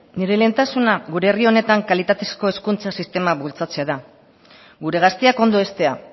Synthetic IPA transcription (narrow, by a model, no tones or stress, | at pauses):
niɾe̞le̞nt̪asunaɣuɾe̞ːrio̞ne̞t̪aŋkalit̪at̪e̞sko̞e̞skunt͡sasist̪e̞maβult͡sat͡se̞aða | ɡuɾe̞ɣ̞ast̪eako̞nd̪o̞e̞st̪e̞a